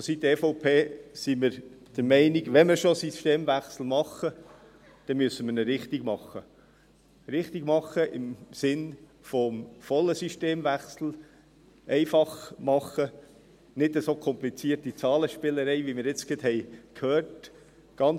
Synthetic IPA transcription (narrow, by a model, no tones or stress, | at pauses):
sit̪ːefɔʊpʰeːsiməɾd̥əɾmɛɪniɡʋɛməɾʃosiʃteːmʋæχsl̩ˠmɑχə | d̪̥ɛmyəsːəmənəɾɪχtiɡ̥mɑχə | ɾɪχt̪iɡ̥mɑχəʔɪmsɪn | fɔmfɔlːəsyʃteːmʋæχsl̩ | ɛɪfɑχmɑχːə | nɪdəsokʰɔmplit͡siːtit͡sɑːləʃpɪləɾɛɪʋimɪɾɪt͡skɪthɛɪkʰhøːrt | ɡ̥ɑn